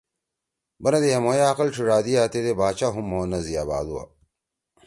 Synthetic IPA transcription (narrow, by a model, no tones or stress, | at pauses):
bɐnɐd̪ejɐmojaːqɐlʈ͡ʂʰiɾaːd̪iaːt̪ed̪ebaːt͡ɕaɦumːoːnɐzijaːba̰ːd̪uwa̰